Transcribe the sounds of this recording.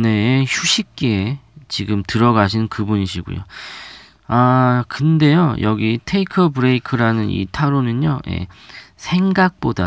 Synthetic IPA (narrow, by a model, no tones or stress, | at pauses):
ne̞çuɕʰik̚k͈et͡ɕiɡɯmtɯɾʌɡaɕʰinɯnkɯbuɲiɕ̬ʰiɡo̰jo̰ | akɯnde̞jojʌɡitʰeikʰʌbɯɾe̞ikʰɯɾanɯnḭtʰaɾonɯnjoje̞̰sʰe̞ŋɡak̚p͈oda